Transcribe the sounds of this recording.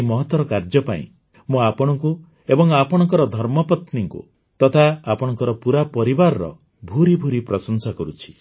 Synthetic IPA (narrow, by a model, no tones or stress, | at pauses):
mɔɦɔt̪wɔɾɔkaɾd͡ʒɔpaḭ̃ | mũapɔɽ̃ɔŋku | ebɔŋapɔɽ̃ɔŋkɔɾɔd̪ʱɔɾmɔpɔt̪niŋkṵ | t̪ɔt̪ʰaːpɔɽ̃ɔŋkɔɾɔpuɾapɔɾibaɾɔɾɔ̰ | bʱuɾibʱuɾipɾɔsɔnsakɔɾut͡ʃʰi̥